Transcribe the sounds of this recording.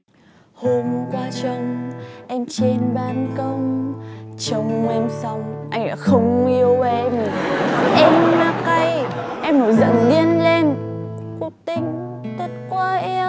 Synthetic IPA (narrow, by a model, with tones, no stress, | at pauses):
ho˧m˧kwaː˧t͡ɕə˧ŋ͡mʔɛ˧mt͡ɕe˧nɓaː˧nkə˧wŋ͡m | t͡ɕə˧wŋ͡mɛ˧msa˧wŋ͡mʔa˧jŋ̟ɗa̰ː˧˥xə˧wŋ͡mi˧əwve˧˩ʔɛ˧mi˨˩ʔɛ˧mlaː˧ka˧jʔɛ˧mno˨˩jzə̰˧˨˩nɗi˧ənle˧n | kʊ˦˥k̚t̪ï˧ŋ̟ | t̪ə˦˥t̚kwaː˧ʔɛ˧